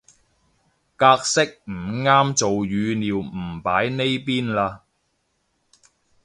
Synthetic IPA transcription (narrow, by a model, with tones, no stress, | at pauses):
kaː˧k̚sɪ˥k̚m̩˨˩ŋaː˥mt͡so˨wjyː˨˧niː˨wm̩˨˩paː˨˥jne˥jpiː˥nlaː˧